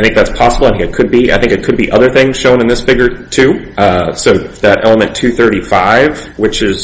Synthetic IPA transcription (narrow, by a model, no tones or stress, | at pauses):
ɪθɪ̃ŋk̚ðætspʰɑsəbl̩ˠə̃nɨkʰɨd̚bia̰ɪθɪ̃ŋkɨt̚kʰɨd̚biʔʌðə˞θɪ̃ŋz̥ʃõʊ̃nɨ̃nðɪsfɪɡjə˞tʰʉ | soʊðɨɾʔɛ̰lˠəmɨ̃ntʰʉθɜ˞ɾifaɪvwɨt͡ʃɪz̥